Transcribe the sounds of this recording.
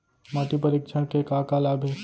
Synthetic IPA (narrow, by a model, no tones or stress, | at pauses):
maːʈip̬əɾɪkt͡ʃəɽ̃kekaːkaːlaːbʱe